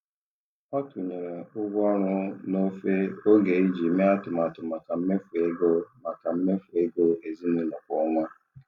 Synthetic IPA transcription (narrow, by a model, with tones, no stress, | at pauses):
ɔ˦tʊ˨ɲe˨ɾe˨ʊ˦ɡʷɔ˦ɾʊ˦no˦fe˦o˦ɡe˨˦i˦d͡ʒi˨˦me˦a˦tʊ˨ma˨tʊ˨ma˨ka˨m̩˦me˦fu˨e˦ɡo˦ma˨ka˨m̩˦me˦fu˨e˦ɡo˦˨e˨zi˦nʊ˨˦nʊ˨kʷɔ˨˦ŋʷa˦